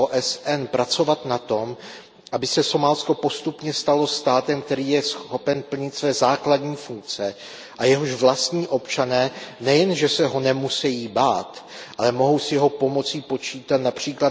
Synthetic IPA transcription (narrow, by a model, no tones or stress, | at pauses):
oʔɛsʔɛnpɾat͡so̞vat̪nat̪o̞m | ʔabɪsɛso̞malsko̞po̞st̪upɲɛst̪alo̞st̪aːt̪ɛmkt̪ɛɾiːjɛsxxxo̞pɛnpl̩ɲɪt̪svɛːzaːkladɲiːfuŋk̚t͡sɛ | ʔajɛɦoʃvlast̪ɲiːʔo̞pt͡ʃanɛːnɛjɛnʒɛsɛɦo̞nɛmusɛjiːbaːt̪ʔalɛmo̞ɦo̞wsjɛɦopo̞mo̞t͡sipo̞t͡ʃiːt̪at̪napr̝̥iːkla